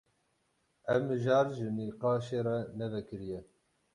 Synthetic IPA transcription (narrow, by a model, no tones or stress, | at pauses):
ɛvmɨʒɑːɾʒɨniːqɑːʃeːɾɛnɛvɛkɨɾijɛ